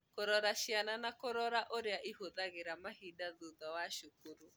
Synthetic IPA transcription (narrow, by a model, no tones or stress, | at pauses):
koɾɔɾaʃjananakoɾɔɾaʔoɾeaʔihoðaɣeɾamahidaðuðɔwaʃokuɾu